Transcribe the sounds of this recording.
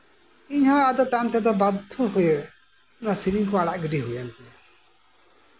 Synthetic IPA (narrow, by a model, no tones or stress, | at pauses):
iɲhɔ̃ad̪ɔt̪amt̪ɛd̪ɔbad̪ʱɔɦuje | unasiɾiŋkɔaɽaʔɡiɖiɦujant̪ɛ